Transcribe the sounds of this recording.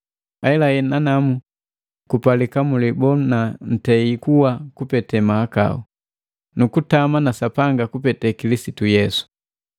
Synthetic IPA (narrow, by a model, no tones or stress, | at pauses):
aɛlahɛnanamu | kupalikamulibɔnan̩tɛikuwakupɛtɛmaaka̰ṵ | nukutamanasapaŋɡakupɛtɛkilisitujɛsu̥